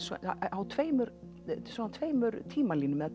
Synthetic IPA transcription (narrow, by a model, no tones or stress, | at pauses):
sɔ̰awt̪ʰveːjmʏɾ | svɔnat̪ʰveːjmʏɾt̪ʰiːmaliːnʏmɛðat̪